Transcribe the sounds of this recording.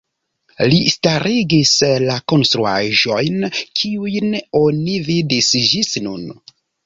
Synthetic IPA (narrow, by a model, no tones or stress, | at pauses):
listaɾʔiɡislako̞nst̪ɾua̰ʒo̞jnkʰiujno̞nividisd͡ʒisnṵn